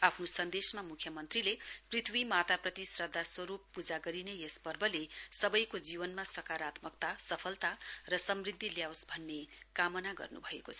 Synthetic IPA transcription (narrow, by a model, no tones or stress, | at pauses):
apʰnosʌnd̪esmamukʰjʌmʌnt̪rileprit̪ʰwimat̪aprʌt̪isrʌd̪ʱːaswʌɾupːud͡zaɡʌɾinejespʌrbʌlesʌbʌjkod͡zibʌnmasʌkaɾat̪mʌk̚t̪asʌpʰʌlt̪arʌsʌmrid̪ʱːiljawsbʱʌnːekamʌnaɡʌ̰rnṵbʱʌekot͡sʰʌ